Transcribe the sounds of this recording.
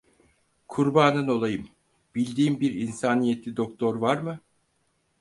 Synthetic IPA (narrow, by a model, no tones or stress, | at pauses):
kʰuɾbaːnɯno̞lˠajɯm | b̥ilʲd̪iːmbiɾinsaːnijet̪lʲid̪okt̪ʰo̞ɾvaɾmɯ